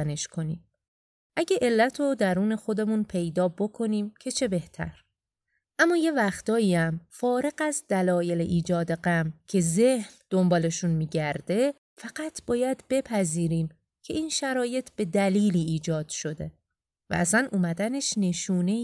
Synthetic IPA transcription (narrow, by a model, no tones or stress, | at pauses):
æne̞ʃkʰo̞niːm | ʔæɟeʔe̞lːæt̪ʰod̪æɾuːne̞xo̞d̪e̞munpʰe̞jd̪ɒːbo̞kʰo̞niːmcʰe̞t͡ʃʰe̞be̞ht̪ʰæ̰ɾ | ʔæmːɒːje̞væxt̪ɒːjiːæmfɒːɾe̞ɣæzd̪ælɒːje̞leʔiːd͡ʒɒːd̪eɢæmcʰe̞zehnd̪̥o̞mbɒːle̞ʃunmiːɟæɾd̪e̞ | fæɢ̥æt̪ʰb̥ɒːjæd̪be̞pʰæziːɾiːm | cʰe̞ʔiːnʃæɾɒːje̞t̪ʰb̥e̞d̪æliːliːd͡ʒɒːd̪̥ʃo̞d̪e̞ | væ̰ʔæsænʔuːmæd̪æne̞ʃne̞ʃuːne̞